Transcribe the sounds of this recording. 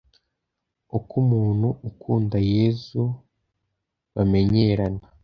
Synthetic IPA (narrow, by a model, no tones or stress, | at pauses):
ukumuːnhuːkʰuːndaje̞ːzu | βame̞ɲe̞ɾana